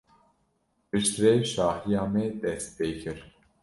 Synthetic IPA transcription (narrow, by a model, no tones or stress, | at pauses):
pɨʃt̪ɾɛʃɑːhijɑːmɛd̪ɛst̪̚peːkʰɨɾ